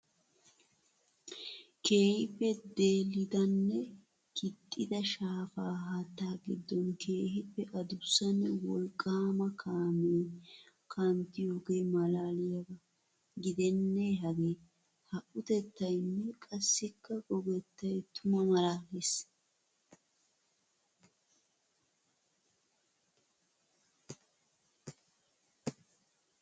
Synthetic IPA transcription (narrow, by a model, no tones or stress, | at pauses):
ke̞ːhɪpːɛd̪e̞ːlɪd̪ɐnːɛ | kʰɪt̪ʼːɪd̪ɐʃaːfaːɦɐt̪ːaːɡɪd̪ːɔnkʰe̞ːhɪpːɛʔɐd̪ʊsːɐnːɛwɔlkʼːaːmɐkʰaːmeː | kʰɐnt̪ɪjoːɡemɐlaːlɪjɐbɐ | ɡɪd̪ɛnːɛɦɐɡe | hɐʔʊt̪ɛt̪ːɐjnːɛkʼɐsːɪkːɐɡɔɡɛt̪ːɐjt̪ʊmɐmɐlaːles